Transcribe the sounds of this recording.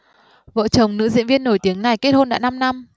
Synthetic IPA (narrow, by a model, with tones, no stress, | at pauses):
və̰ː˧˨t͡ɕə˨˩wŋ͡mnɨ̰˧˥zḭ˧˨ənvi˧ənːo˧˩jt̪i˨˦əŋna˨˩jke˦˥t̚ho˧nɗa̰ː˧˥na˧mna˧m